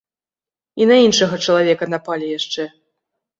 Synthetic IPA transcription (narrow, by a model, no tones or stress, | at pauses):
inɐinʂɐɣɐt͡ʂɐlˠavʲɛkɐnapalʲɛjaʂt͡ʂɛ